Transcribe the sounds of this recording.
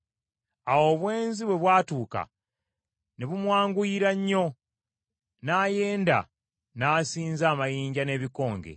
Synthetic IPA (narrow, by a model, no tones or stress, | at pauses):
awo̞ːβwe̞ːnziβwe̞βwaːtuːka̰ | neβumwaːŋɡuiɾaɲːo̞ | naːje̞ːnda̰ | naːsiːnzaːmajiːɲɟane̞ːβiko̞ːŋɡe̞̰